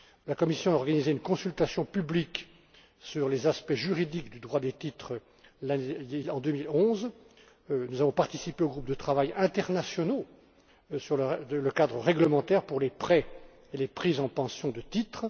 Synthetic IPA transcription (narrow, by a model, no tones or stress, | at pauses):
lakɔmisjɔ̃aɔʁɡanizeynkɔ̃sylt̪asjɔ̃pyblik | syʁlezaspɛʒyʁid̪ikd̪yd̪ʁwad̪et̪it̪χ | laeɑ̃d̪ømilɔ̃z | nuzavɔ̃paʁt̪isipeoɡʁup̚d̪ət̪χavajɛ̃t̪ɛʁnasjɔno | syʁləələkad̪ʁəʁɛɡləmɑ̃t̪ɛʁpuʁlepχɛ | elepχizɑ̃pɑ̃sjɔ̃d̪ət̪it̪χ